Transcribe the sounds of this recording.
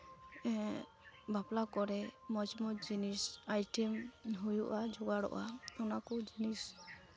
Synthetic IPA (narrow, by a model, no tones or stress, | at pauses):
baplakɔɾɛmɔd͡ʒmɔd͡ʒinisajʈɛmɦujuʔad͡ʒɔɡaɽɔ̰ʔaɔnakɔd͡ʒinis